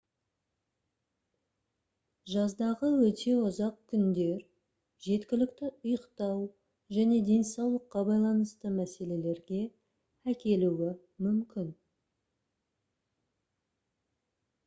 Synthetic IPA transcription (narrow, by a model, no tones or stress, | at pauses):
ʒɑzd̪ɑʁəwɵt̪ʰe̞ʊzɑq̚kʲʰʏnd̪e̞ɾ | ʒe̞t̪kʲɪlɪkt̪ɪʊjəqt̪ɑw | ʒæne̞d̪e̞nsɑwlˠəqːɑbɑjlˠɑnəst̪əmæse̞le̞le̞ɾɡʲe̞ | ækʲe̞luwɪ | mʏmkʲʰɪn